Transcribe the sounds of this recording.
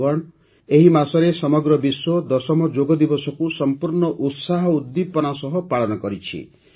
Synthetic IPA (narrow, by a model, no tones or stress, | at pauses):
ɔɽ | eɦimasɔɾesɔmɔɡɾɔbiswod̪ɔsɔmɔd͡ʒoɡɔd̪ibɔsɔkusɔmpuɾɳɔʔut̪saɦɔud̪ːipɔnasɔɦɔpalɔnɔkɔɾit͡ʃʰḭ